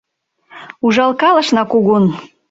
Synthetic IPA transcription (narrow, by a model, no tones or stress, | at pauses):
uʒɑlˠkɑlə̆ʃnɑkuɣun